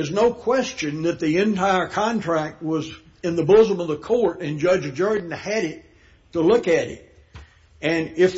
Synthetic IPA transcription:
ɨznoʊkʰw̥ɛst͡ʃɨ̃nðɨt̪̚ðiɨ̃ntʰaɪə˞kʰɑ̃ntʰɹ̥æk̚t̚wʌz | ɨ̃nðəbʊzə̃mʌvðəkʰɔɹɾɨ̃nd͡ʒʌd͡ʒɨd͡ʒɜ˞dⁿn̩ɨɾɪtʰ | əlʊkɨɾɪ̰ɾ | ɨ̃nɪf

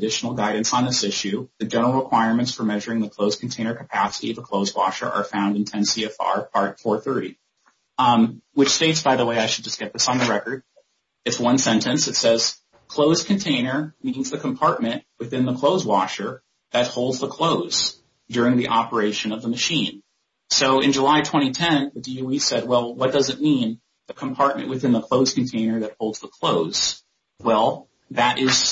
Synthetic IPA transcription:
dɪʃn̩l̩ˠɡaɪdⁿn̩sn̩ðɪsɪʃʉðɨd͡ʒɛnə˞l̩ˠɹəkʰw̥aɪəɹmɨ̃ntsfə˞mɛʒə˞ɪ̃ŋðɨkʰl̥oʊz̥kʰn̩tʰẽɪ̃nə˞kʰəpʰæsəɾḭʌvəkʰl̥oʊzwɑ̰ʃə̰˞ʔə̰˞fãʊ̃ndɨ̃n̩tʰɛ̃nsiɛfɑ̰ɹpʰɑɹtfɔɹθɜ˞ɾi | wɨt͡ʃsteɪtsb̥aɪðəweɪaɪʃɨd̚d͡ʒʌsɡ̥ɛt̪̚ðɪsn̩ðɨɹɛkə˞ɾ | ɨtswʌ̃nsɛ̃ntɨ̃nsɨtsɛz̥ | kʰl̥oʊz̥kʰɨ̃n̩tʰẽɪ̃nə˞mĩnzðɨkʰə̃mpʰɑɹt̚mɨ̃nʔwɨθɪ̃nðəkʰl̥oʊzwɑʃə˞ | ðɨt̚hoʊlˠdzðəkʰl̥oʊz̥ | dʊɹɪ̃ŋðiʔɑpə˞eɪʃɨ̃nʌvðəmɨʃĩn | soʊɨ̃nd͡ʒəlaɪtʰw̥ɛ̃ɾ̃itʰɛ̃nðɨdiuisɛd̚wɛlˠwʌt̚d̥ʌzɨt̚mĩn | ðɨkʰə̃mpʰɑɹt̚mɨ̰̃nʔwɨθɪ̃nðəkʰl̥oʊz̥kn̩tʰẽɪ̃nə˞ðɨt̚hoʊlˠdz̥ðəkʰl̥oʊz̥ | wɛlˠ | ðɨɾʔɪz̥

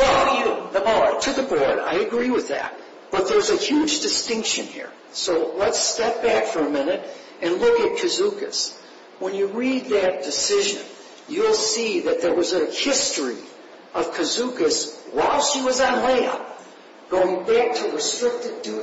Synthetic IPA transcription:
ɛjɨðəbɔtʰɨðɨbɔɹɾa̰ɪɨɡɹiwɨðæ̰t̚ | b̥ʌt̪̚ðə˞zɨhjʉd͡ʒdɨstɪ̃ŋkʃɨ̃nhḭɹ | soʊlətstɛp̚b̥ækfə˞ɨmɪ̃nɨɾ | ɨ̃nlʊkɨt̚kʰɨzukɨ̰s | wə̃njɨɹid̪̚ðɨt̚d̥ɨsɪʒɨ̰̃n | jɨl̩ˠsiðɨt̪̚ðə˞wʌzɨhɪstɹ̥ḭ | ʌv̥kʰɨzukɨswaɪlˠsʃiwʌzə̃nleɪʌ̰p̚ | ɡ̥oʊɪ̃ŋbæk̚tʰɨɹɨstɹ̥ɪk̚tɨvdu

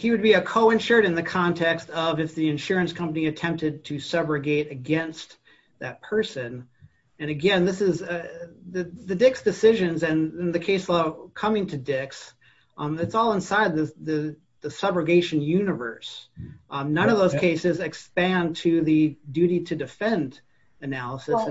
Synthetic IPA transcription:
hiwɨd̚biɨkʰoʊɪ̃nʃə˞ɾɨ̃nðɨkʰɑ̃ntʰɛkstʌvɨfðiɨ̃nʃʊɹɨ̃nskʰʌ̃mpəniɨtʰɛ̃mp̚tɨd̚tʰɨsʌbɹɨɡeɪɾɨɡɛ̃nst̪ | ðɨt̚pʰɜ˞sɨ̃n | ɨ̃nɨɡɛ̃nðɪsɨzðɨðɨdɪksd̥ɨsɪʒɨ̃nzɨ̃nɨ̃nðɨkʰeɪslaʊkʰʌ̃mɪ̃ŋtʰɨdɪks | ɨtsɔlˠə̃nsaɪd̪̚ðɨðɨ | ðɨsʌbɹɨɡeɪʃɨ̃n̩jʉnɨvə̰˞s | nʌ̃nʌvðoʊz̥kʰeɪsɨzɨkspæ̃ntʰɨðɨdʉɾiɾɨdɨfɛ̃nd | ɨnælˠəsɨs

